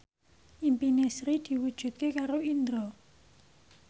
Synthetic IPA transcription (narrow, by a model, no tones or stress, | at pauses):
ʔimpinesɾid̪̥i̤wud̥ʒ̥ṳt̪̚kekaɾoind̪ɾɔ